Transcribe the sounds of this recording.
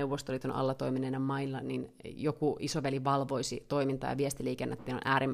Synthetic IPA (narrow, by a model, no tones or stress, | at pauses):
ewʋːost̪olit̪uonʔɑ̰lːɑt̪oiminenɑmɑilːɑnin | jokuisoʋæliʋɑlʋoisit̪oimint̪ɑ̰jɑ̰ʋiest̪iliːkenːɑt̪ːiːno̰nʔæːɾim